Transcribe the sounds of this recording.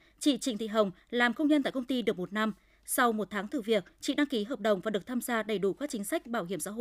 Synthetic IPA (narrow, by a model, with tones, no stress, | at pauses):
t͡ɕḭ˧˨t͡ɕḭ˧˩ŋt̪i˧˨ɦə˨˩wŋ͡m | laː˨˩mkə˧wŋ͡mɲə˧nt̪a̰˧˨kə˧ŋ͡mt̪i˧ɗɨ˨˩ək̚mo˨˩t̚na˧m | sa˧wmo˨˩t̚t̪ʰaː˨˦ŋt̪ɨ˨˩vi˨˩ək̚t͡ɕḭ˧˨ɗa˧ŋki˨˦ɦəː˨˩p̚ɗə˨˩wŋ͡mvaː˨˩ɗɨ˨˩ək̚t̪ʰaː˧mzaː˧ɗə˨˩jɗu˧˩kaː˨˦˥k̚t͡ɕï˨˦ŋ̟sa˦˥jk̟̚ɓaː˧˩wɦi˧˩əmsa̰ː˧˥ɦo̰˧˨